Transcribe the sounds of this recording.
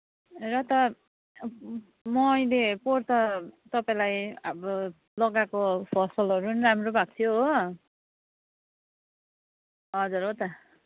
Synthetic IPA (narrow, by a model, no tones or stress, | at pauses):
rʌt̪ʌ | mʌːjleport̪ʌt̪ʌpaĩlajʌbʌ | lʌɡakopʰʌsʌlʌɾunramrobʱak̚t͡sʰjoɦ | ʌd͡zuɾot̪ʌ